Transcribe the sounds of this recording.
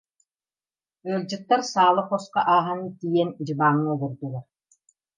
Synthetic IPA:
œlʲd͡ʑɯk̚t̪ːaɾsaːlˠɯχɔsqa̰ʔaːɦant̪ijɛnd͡ʑɯbaːŋːɯɡuɾd̪uɡaɾ

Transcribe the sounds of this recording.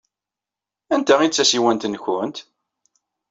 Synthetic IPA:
ænt̪æit͡sːæsiwænt̪ənçʊnt̪

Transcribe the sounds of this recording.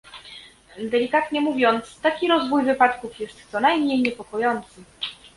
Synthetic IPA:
d̪ɛlʲikat̪ɲɛmuvʲjɔnt̪st̪akʲiɾɔzvujvɘpat̪kufjɛst̪sɔnajmɲejɲɛpɔkɔjɔnt̪sɘ

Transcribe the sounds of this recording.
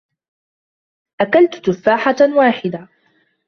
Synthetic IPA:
ʔakalt̪t̪ʊfːaːħawaːħɪd̪a

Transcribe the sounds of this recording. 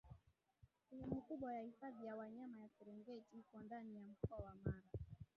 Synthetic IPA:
ɛhɛmikuɓwajahifaðijawaɲamajasɛɾɛŋɡɛtihkɔndanijam̩kɔawamaɾa

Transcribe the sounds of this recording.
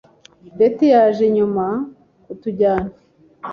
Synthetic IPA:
ndetejaːʒeɲuma | utuɟaːna

